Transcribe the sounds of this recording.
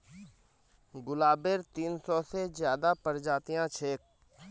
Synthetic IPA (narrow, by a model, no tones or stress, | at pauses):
ɡʊlaːbeɾt̪iːnsɔːsezjaːd̪aːpəɾd͡ʒaːt̪ijãt͡ʃʰeːk̚